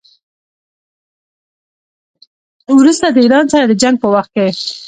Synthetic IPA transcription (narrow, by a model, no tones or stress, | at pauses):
wɾust̪ad̪əiɾɑnsaɾad̪əd͡ʒaŋɡ̚pəwaxt̪̚ke